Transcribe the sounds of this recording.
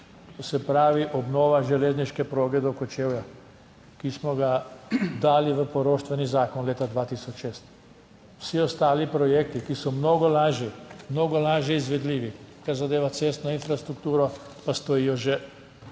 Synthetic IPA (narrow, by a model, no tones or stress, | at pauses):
ɔsɛpɾaːʋiʔɔbnoːʋaʒɛleːzniʃkɛpɾoːɡɛd̪okɔt͡ʃeːwja | kismɔɡad̪aːliʋəpɔɾoːʃt̪ʋɛnizaːkɔnleːt̪ad̪ʋaːt̪iːsɔt͡ʃʃeːst̪ | wsiɔst̪aːlipɾɔjeːk̚t̪ikisɔmnoːɡɔlaːʒjɛmnoːɡɔlaːʒjɛizʋɛd̪liːʋikaɾzad̪eːʋat̪seːst̪nɔinfɾast̪ɾukt̪uːɾɔpast̪ɔiːjɔʒɛ